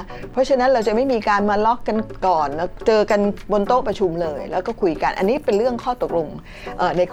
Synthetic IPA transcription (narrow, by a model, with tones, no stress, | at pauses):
pʰɔ˦˥t͡ɕʰa˦˥na˦˥nɾa˧wt͡ɕa˨˩ma˥˩jmiː˧kaː˧nmaː˧lɔ˦˥kːa˧nkɔː˨˩n˧˩t͡ɕɤː˧ka˧nbo˧nt̪oː˥˩pɾa˧t͡ɕʰu˧mlɤː˧jlɛ̰ː˦˥wkɔː˥˩kʰu˧jka˧nʔa̰˧nːiː˦˥pe˧nɾɯ˥˩əŋkʰɔː˥˩t̪k̚lo˧ŋ | ʔəː˨˩na˧jkʰ